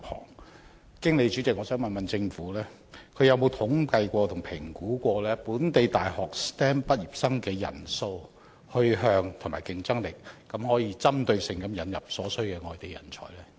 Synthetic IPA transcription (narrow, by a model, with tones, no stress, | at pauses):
phʰɔ̰ː˨˩ŋ | kɪ˥ŋle˨˧jt͡ʃy˨˥t͡sɪ˨k̚ŋɔː˨˧sœː˨˥ŋmɐ˨nmɐ˨nt͡sɪ˧ŋfuː˨˥lɛː˥ | kʰɵ˨˧ɥjɐ˨˧wmo˨˧wt̪ʰʊ˨˥ŋpɐ˧jkʷɔː˧t̪ʰʊ˨˩ŋpʰɪ˨˩ŋkuː˨˥kʷɔː˧lɛː˥puː˨˥nt̪e˨jt̪aː˨jhɔː˨˩k̚st̪ɛː˥npɐ˥t̚jiː˨p̚sɐ˥ŋkɛː˧jɐ̰˨˩nso˧w | hɵ˧ɦœː˧ŋt̪ʰʊ˨˩ŋmaː˨˩jkɪ˧ŋt͡sɐ˥ŋlɪ˨k̚ːɐ˨˥mhɔː˨˥jiː˧t͡sɐ˥mt̪ɵ˧ɥsɪ˨˩ŋkɐ˧mjɐ˨˧njɐ˨p̚sɔː˨˥sɵ˥ɥkɛː˧ŋɔː˨jt̪e˨˩jɐ̰˨˩nt͡sʰɔ̰ː˨˩jlɛː˥